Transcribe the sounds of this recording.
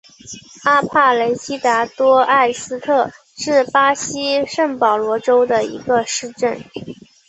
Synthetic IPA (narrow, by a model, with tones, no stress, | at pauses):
a˥pʰa˥˩le˧˥ɪɕi˥t̪a˧˥t̪wɔ˥a˥˩ɪsɹ̩˥t̪ʰɤ˥˩ | ʂɻ̩˥˩pa˥ɕi˥ʂə˥˩ŋpɑ˨˩ʊlwɔ˧˥ʈ͡ʂo˥ʊd̪ə˨ḭ˧˥ɡə˧ʂɻ̩˥˧ʈ͡ʂə˥˩n